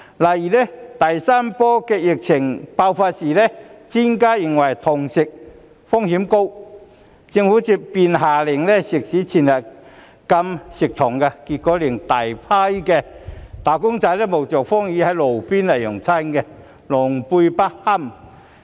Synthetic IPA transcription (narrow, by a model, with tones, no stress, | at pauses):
lɐ˨˩jiː˨˩lɛ˥t̪ɐ˨jsaː˥mpɔː˥kɛː˧jɪ˨k̚t͡sʰɪ˨˩ŋpaː˧wfaː˧t̚siː˨˩lɛ˥t͡si˥nkaː˥jɪ˨˩ŋwɐ˨˩jt̪ʰʊ˨˩ŋsɪ˨k̚ | fʊ˥ŋhiː˨˥mko˥w | t͡sɪ˧ŋhuː˨˥t͡siː˧piː˧nɦaː˨lɪ˨˩ŋlɛ˥sɪ˨k̚siː˨˥t͡sʰiː˨˩njɐ˨˩ | kɐ˧msɪ˨˩k̚t̪ʰʊ˨˩ŋka˧kiː˧t̚kɔː˨˧˥liː˨˩ŋt̪aː˨˩jpʰaː˥jkɛː˧t̪aː˨˩kʊ˥ŋt͡sɐ˨˧˥jlɛ˥˩mo˨˩wt͡sɔː˨˩kfɔː˥ŋjiː˨˥hɐ˨˥jlo˨˩wpiː˥nlɐ˨˩jjʊ˨˩ŋt͡sʰa˥nkɛ˧ | lʊ˨˩ŋpu˧jpa˥ha˥˩m